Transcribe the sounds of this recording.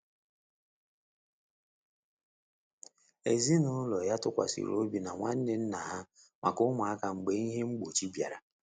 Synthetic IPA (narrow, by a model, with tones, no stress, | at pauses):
e˨zi˦nʊ˦lɔ˨ja˦tʊ˦kʷa̰˨sḭ˨ɾo̰˦bi˨na˨ŋʷa˦n̩˦dɪ˨n̩˦na˨ɦa˦ | ma̰˨kʊ˦mʊ˨a˦ka˨ŋ͡m̩˨ɡ͡be˨˦i˦ɦe˦ŋ͡m̩˦ɡ͡bo˨t͡ʃi˦bja̰˨ɾa˨